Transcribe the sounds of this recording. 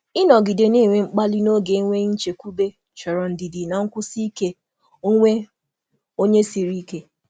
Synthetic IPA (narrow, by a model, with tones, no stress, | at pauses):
ɪ˦nɔ˨ɡi˨de˨ni˦˨ŋʷe˨ŋ͡m̩˦k͡pa˦li˦no˦ɡe˨i˦ŋʷe˦ɲ̩˦t͡ʃe˨kʷu˦be˦ | t͡ʃɔ˨ɾɔ˨n̩˨di˨di˨na˨ŋ̩˦kʷʊ˦si˦i˦ke˦ | ŋʷe˦ | o˦ɲe˦si˨ɾi˦ke˦